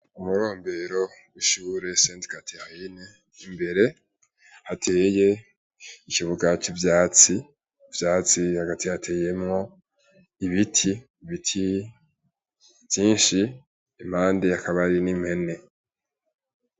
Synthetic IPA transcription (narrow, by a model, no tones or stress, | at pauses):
umuɾo̞ːmbe̞ɾo̞wiʃuːɾe̞seːntkatʰihahine | imbe̞ɾe̞ | hatʰe̞ːje̞ | iciβuɡat͡ʃivjaːt͡si | vjaːt͡sihaɡatʰihatʰe̞ːje̞mŋo̞ | iβitʰi | βitʰi | vjiːnʃi | im̥haːndeakaβaɾinim̥he̞ne̞